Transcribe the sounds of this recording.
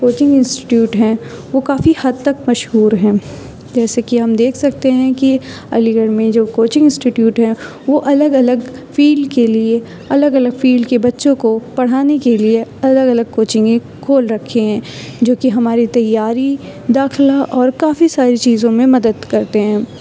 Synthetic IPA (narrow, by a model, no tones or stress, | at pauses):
koːt͡ʃɪ̃ŋɡɪ̃nsʈɪ̥ʈjuːʈɦɛ̃ʋokaːfihɐd̪̚t̪ɐkmɐʃɦuːɾɦɛ̃ː | d͡ʒɛːsekiɦɐmd̪eːkʰsɐk̚t̪eɦɛ̃ki | ɐ̰liɡəɽmẽd͡ʒoːkoːt͡ʃɪ̃ŋɡɪ̃nsʈiʈjuːʈɦɛ̃ | ʋoʔɐləɡɐləɡ | fiːlkelie | ɐləɡɐləɡfiːlkebɐtːʃõkopɐɽ̤aːnekelieɐləɡɐləɡ̚koːt͡ʃɪ̃ŋɡẽ | koːlɾɐkʰːeɦɛ̃ː | d͡ʒoːkiɦɐmaːɾit̪ɐjaːɾi | d̪aːxlaʔɔːɾkaːfisaːɾit͡ʃiːzõmẽmɐd̪əd̪kɐɾt̪eɦɛ̃ː